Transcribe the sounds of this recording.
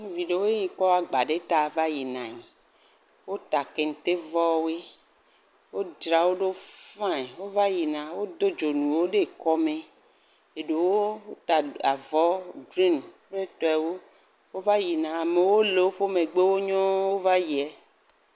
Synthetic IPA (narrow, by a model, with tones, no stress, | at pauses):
nũ˦vi˨ɖe˦wo˦e˦ɲi˨k͡pɔ˦wa˦ɡ͡ba˨ɖe˦t̪a˨va˦ji˨nã˨ɲi˨ | wo˦t̪a˨ke˨ŋ̩˨t̪e˦vɔ˦we˦ | wo˦d͡ʒɾa˨wo˦ɖe˦fã˦˨e˨wo˦va˦ji˨nã˨wo˦d̪o˦d͡ʒo˨nũ˨wo˦ɖe˦kɔ˦me˨ | e˨ɖe˨wo˦wo˦t̪a˨a˨vɔ˦dɾĩ˦nk͡pɾe˦t̪ɔ˦˨ɛ˨wo˦ | wo˦va˦ji˨nã˨a˨me˨wo˦le˨˦o˦ɸo˦me˨ɡ͡be˦wo˦ɲɔ̃˦wo˦va˦ji˨ɛ˨˦